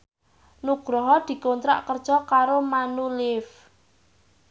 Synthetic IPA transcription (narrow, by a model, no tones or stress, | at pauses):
nuɡ̥ɾɔɦɔd̪̥i̤kont̪ɾa̰ʔkərd̥ʒ̥ɔkaɾomanulɪf